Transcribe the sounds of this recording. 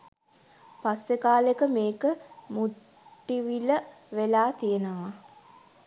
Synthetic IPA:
pasʋekaːlekəmeːkəmuʈː | iʋilə | ʋelaːt̪ijənəʋa

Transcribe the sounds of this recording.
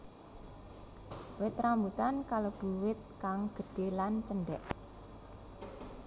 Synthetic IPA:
wɪt̪ɾambut̪ankalob̥uwɪt̪̚kaŋɡ̥ə̤ɖ̥e̤lant͡ʃənɖɛʔ

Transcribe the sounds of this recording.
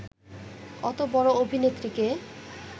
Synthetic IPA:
ɔt̪obɔɽoobʱinet̪ːɾike

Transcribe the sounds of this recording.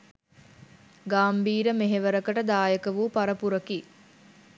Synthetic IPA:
ɡaːmbiːɾəmeɦeʋəɾəkəʈəd̪aːjəkəʋuːpaɾəpuɾəki

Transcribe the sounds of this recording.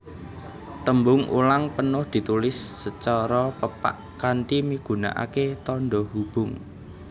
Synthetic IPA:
t̪əmbʊŋṵlaŋpənʊhd̪̥i̤t̪ulɪsːət͡ʃɔɾɔpəpa̰ʔ | kant̪imiɡ̥ṳna̰ʔa̰ket̪ɔnɖɔhub̥ʊŋ

